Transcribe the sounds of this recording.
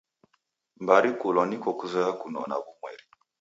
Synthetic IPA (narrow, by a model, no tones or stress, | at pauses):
mbaɾikulɔnikɔkuzakunɔ̰na̰βumwɛ̰ɾi